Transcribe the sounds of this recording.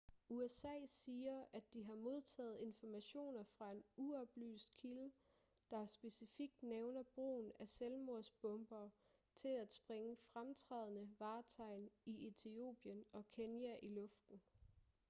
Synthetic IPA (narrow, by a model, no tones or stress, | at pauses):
uesɛ̰ːsiːɐæd̥iɦɑ̈mo̝ð̞ˠt͡sʰɛ̰ːð̞̩ˠe̝nfɒmæɕo̝̰ːnɐfʁɑ̈e̝nuɒ̽b̥ly̰ːsd̥̚kʰilə | d̥ɑ̈sb̥e̝sifiɡ̥̚d̥neʊnɐb̥ʁo̝̰ːn̩æselmo̝ɐ̰sb̥ɔ̽mb̥ɐː | t͡sʰe̝læd̥sb̥ʁeŋəfʁamt͡sʰʁɛ̰ð̞ˠnəʋɑ̈ːt͡sʰɑ̈ɪ̰niet͡sʰio̝̰ːb̥jənɒ̽kʰenjæʔilɔ̽fd̥n̩